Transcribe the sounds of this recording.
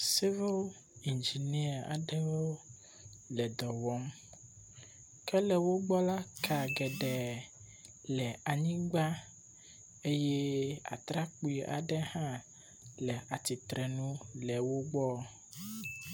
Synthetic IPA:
si˦vo˦l | i˨nd͡ʒi˨ni˦a˨a̰˨ɖɛ˦wo˦ | lɛ˨d̪ɔ˨wɔ˦m | kɛ˦lɛ˨wo˦ɡ͡bɔ˦la˦kʰa˨ɡɛ˨ɖɛ˨ | lɛ˨a˨ɲĩ˦ɡ͡ba˦ | e˦jɛ˦a̰˨t̪ɾa˦k͡pu˦i˨ʔa̰˨ɖɛ˦hã˦ | lɛ˨ʔa˨t̪i˨t̪ɾɛ˨nũ˦lɛ˨wo˦ɡ͡bɔ˦

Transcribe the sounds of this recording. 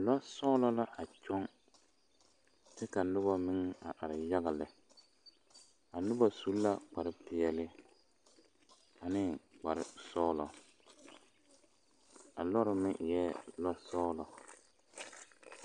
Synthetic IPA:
lɔ˦sɔː˦lɔ˦la˦ʔa˨t͡ʃɔ˦ŋ | tɪ˦ka˨nʊ˦ba˦mɪ˦ŋ˦a̰˨ʔa˨ɾɪ˨ja˦ɣa˨lɪ˨ | a˨nʊ˦ba˨su˦la˦k͡pa˨ɾɪ˦pɪ˨ɛ˨lɪ˦ | a˨nɪ˦k͡pa˨ɾɪ̰˦sɔː˦lɔ̰˨ | a˨lɔ˦ɾɪ˨mɪ˦˨jɛː˦lɔ˦sɔː˦lɔ˨

